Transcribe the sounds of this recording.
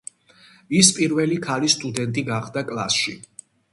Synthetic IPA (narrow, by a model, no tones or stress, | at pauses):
ispʼiɾvɛlikʰalist̪ʼud̪ɛnt̪ʼiɡaχd̪akʼlˠa̰sʃi